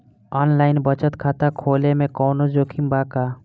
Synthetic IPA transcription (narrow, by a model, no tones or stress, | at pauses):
ɔːnlaːɪnbət͡ʃət̪kʰaːt̪akʰoːlemẽkɔːnod͡ʒoːkʰimbakaː